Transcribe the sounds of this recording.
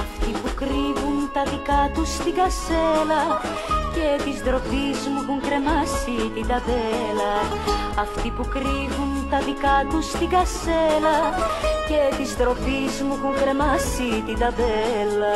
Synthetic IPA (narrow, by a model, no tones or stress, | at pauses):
ɐft̪ipukɾivunt̪ɐðikɐt̪ust̪iɡɐselɐ | ce̞t̪izsðɾo̞pizmuxuŋkɾe̞mɐsit̪id̪ɐðelɐ | ɐft̪ipukɾivunt̪ɐðikɐt̪ust̪iɡɐselɐce̞t̪izðɾo̞pizmuxuŋkɾe̞mɐsit̪id̪ɐðelɐ